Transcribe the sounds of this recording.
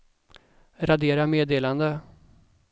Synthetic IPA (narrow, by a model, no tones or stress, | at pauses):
ɾad̪eːɾameːd̪eːland̪ə